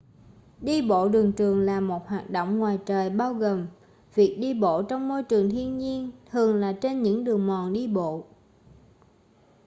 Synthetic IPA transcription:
ɗi˧ɓo̰˧˨ɗɨ˨˩ŋt͡ɕɨ˨˩əŋlaː˨˩mo˨˩t̚hwaː˨˩t̚ɗo̰˧˨wŋ͡mŋwaː˨˩jt͡ɕəː˨˩jɓaː˧wɣo˨˩m | vi˨˩ək̚ɗi˧ɓo̰˧˨t͡ɕɔ˧wŋ͡mmo˧jt͡ɕɨ˨˩əŋt̪ʰi˧ənɲi˧ənt̪ʰɨ˨˩əŋlaː˨˩t͡ɕe˧nɲɨ̰˧˥ŋɗɨ˨˩əŋmɔ˨˩nɗi˧ɓo̰˧˨

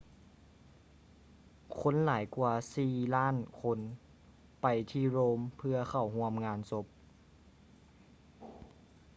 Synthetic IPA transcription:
kʰo˧˥˨nlaː˩˦jku˧ɐsiː˨˩laː˥˨nkʰo˧˥n | pa˨jt̪ʰiː˧˩ɾoː˧˥mpʰɯ˧ɐxʰa˨˩wɦu˧˥əmŋaː˧nso˧˦˥p̚

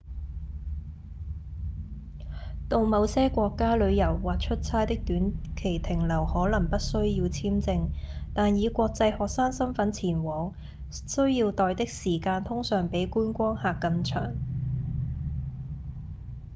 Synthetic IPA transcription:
t̪o˨˧wmɐ˨˧wsɛː˥kʷɔː˧kːaː˥lɵ˨˧ɥjɐ˨˩wːaː˨t̚t͡ʃʰɵ˥t̚t͡sʰaː˥jt̪ɪ˥k̚t̪yː˨˥nkʰe˨˩jt̪ʰɪ˨˩ŋlɐ˨˩whɔː˨˥lɐ˨˩ŋpɐ˥t̚sɵ˥ɥjiː˧wt͡sʰiː˥mt͡sɪ˧ŋt̪aː˨njiː˨˧kʷɔː˧k̚t͡sɐ˧jhɔː˨k̚saː˥ŋsɐ˥mfɐ˨˥nt͡sʰiː˨˩nwɔː˨˩ŋ | sɵ˥ɥjiː˧wt̪ɔː˨jt̪ɪ˥k̚siː˨˩kaː˧nt̪ʰʊ˥ŋsœː˨˩ŋpe˨˥jkuː˥nkʷɔː˥ŋhaː˨kːɐ˧nt͡ʃʰœː˨˩ŋ

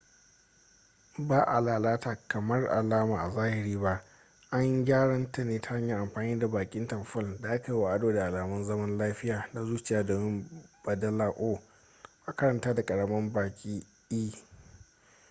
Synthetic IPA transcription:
baː˦ʔa˨laː˨laː˦taː˨kɐ˨mɐ˦rʔa̰˨laː˦maː˨ʔa˨zaː˦hɪ˨ɾiː˦ba˦ʔ | ʔa˦ɲɡʲaː˦ɽɐ˦nta˨neː˦ta˦ha˦ɲja˨ʔa˨mɸaː˨niː˦da˨baː˨kʲʼɪ˦ntɐ˨mɸɪ˦lda˨ʔa˦ka˨ji˦wa˨ʔa˦doː˨da˨ʔa˨laː˨mɐ˦nzɐ˦mɐ˦nlaː˦ɸɪ˦jaː˨na˦zuː˦t͡ʃɪ˨jaː˦doː˨mɪ˦mb̥ɐ˨dɐ˦laː˨ʔoː˦ | ʔa˦kɐ˦ɾɐ˨ntaː˦da˨kʼɐ˨ɽɐ˨mɐ˦mbaː˨kʲʼiː˦ | ʔiː˦

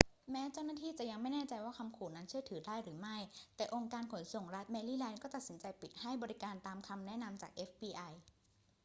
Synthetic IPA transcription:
mɛː˦˥t͡ɕa˥˩wnaː˥t̪ʰiː˥˩t͡ɕa˨˩ʔja˧ŋma˥˩jnɛː˥˩t͡ɕa˧jwaː˥˩kʰa˧mkʰuː˨˩na˦˥nt͡ɕʰɯ˥˩ət̪ʰɯː˩˦daː˥˩jɾɯː˩˦ma˥˩jt̪ɛː˨˩ʔo˧ŋkaː˧nkʰo˨˩˦nso˨˩ŋɾa˦˥t̪̚mɛː˧liː˥˩lɛː˧nkɔː˥˩t̪a˨˩t̪̚si˩˦nt͡ɕa˧jpi˨˩t̪̚ha˥˩jbɔː˧ɾi˦˥kaː˧nt̪aː˧mkʰa˧mnɛ˦˥na˧mt͡ɕa̰ː˨˩k̚ʔe˦˥fpiː˧ʔa˧j

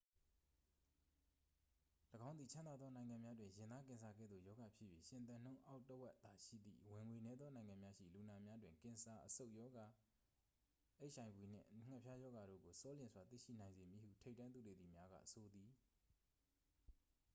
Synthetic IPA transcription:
ləɡã˦ʊ̃nd̪i˨t͡ɕʰã˦nd̪a˨d̪ðɔ˦nã˨ɪ̃ŋã˨mja˦dwɪ̃˨jɪ̃˨nd̪a˦kɪ̃˨nsa˨ɡɛ̰˦˨d̪ðo̰˦˨jɔ˦ɡa˨pʰjɪ˦ʔjɥḛ˦˨ʃɪ̃˨nt̪ã˨n̥õ˦ʊ̃ʔa˦ʊtːə˦wɛ˦ʔt̪a˨ʃḭ˦˨d̪ðḭ˦˨wɪ̃˨ŋwe˨nɛ˦d̪ðɔ˦nã˨ɪ̃ŋã˨mja˦ʃḭ˦˨lu˨na˨mja˦dwɪ̃˨ŋkɪ̃˨nsa˨ʔəso˦ʊʔjɔ˦ɡa˨ | ʔe˦ɪʔʃã˨ɪ̃bwi˨n̥ɪ̰̃˦˨ʔŋ̥ɛ˦ʔpʰja˦jɔ˦ɡa˨ɾo̰˦˨ɡo˨sɔ˦lɪ̃˨nswa˨t̪ḭ˦˨ʃḭ˦˨nã˨ɪ̃nze˨mji˨hṵ˦˨tʰe˦ɪʔtːã˦nd̪u˨de˨d̪i˨mja˦ɡa̰˦˨so˨d̪i˨

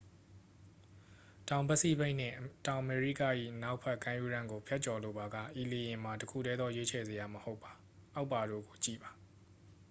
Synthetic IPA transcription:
tã˨ʊ̃bsḭ˦˨be˦ɪ̃n̥ɪ̰̃˦˨tã˨ʊ̃ʔəme˨ɹḭ˦ka˦˨ʔḭ˦˨ʔəna˦ʊʔpʰɛ˦kã˦ju˦˨ɾã˦ŋɡo˨pʰjɛ˦ʔ̚t͡ɕɔ˨lo˨ba˨ɡa̰˦˨ʔi˨le˨jɪ̃˨ma˨təkʰṵ˦˨ɾɛ˦d̪ðɔ˦jwe˦t͡ɕʰɛ˨ze˨ja˨məho˦ʊpːḁ˨ | ʔa˦ʊpːa˨ɾo̰˦˨ɡo˨t͡ɕḭ˦˨ba˨

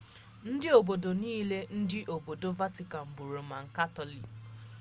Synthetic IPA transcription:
n̩˦dɪ˦o˨bo˨do˨niː˦le˦n̩˦dɪ˦ʔo˨bo˨do˦va˦ti˨ka˨m̩˨bu˨ɾo˨ma˨ŋ̩˨ka˦tɔ˨li˨

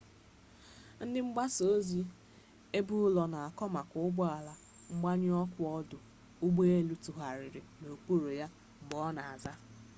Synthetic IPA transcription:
n̩˦dɪ˦ŋ͡m̩˦ɡ͡ba˦so˨o˦zi˦ | e˦bu˦ʊ˦lɔ˨na˨a˨kɔ˦ma˨kʊ˨˦ʊ˦ɡ͡bɔ˦a˨la˦ | ŋ͡m̩˦ɡ͡ba˦ɲɪ˦ɔ˦kʷʊ˦ɔ˦dʊ˨ | ʊ˦ɡ͡be˦e˦lu˦tu˨ɦa˨ɾɪ˨ɾɪ˨no˨k͡pu˦ɾo˨ja˦ | ŋ͡m̩˨ɡ͡bɔ˦na˨a˨za˦

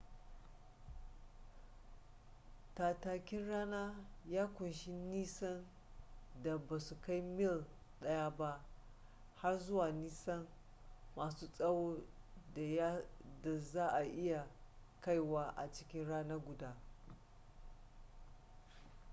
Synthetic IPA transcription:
taː˨taː˨kʲɪ˦nɽaː˦naː˦jaː˦kʷʊ˨nʃɪ˦niː˦sɐ˦n | da˨ba˨su˨ka˦jmɪ˦˨l | ɗɐ˦ja˦ba˦ʔ | ha˦rzʊ˦waː˨niː˦sɐ˦n | maː˨suː˦sʼɐ˦woː˦˨˦ | da˨zaː˦ʔa˨ʔɪ˦ja˨ka˦jwaː˦ʔa̰˨t͡ʃɪ˦kʲɪ˦nɽaː˦na˦ɡʷʊ˨daː˦

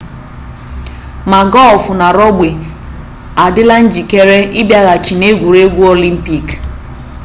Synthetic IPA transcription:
ma˨ɡɔ˦lfʊ˨na˨ɾɔ˦ɡ͡be˨ | a˨dɪ˦la˦n̩˦d͡ʒi˨ke˦ɾe˦ʔɪ˦bja˦ɣa˨t͡ʃi˨ne˦ɡʷu˨ɾe˦ɡʷu˦o˦li˦m̩˦pi˦k

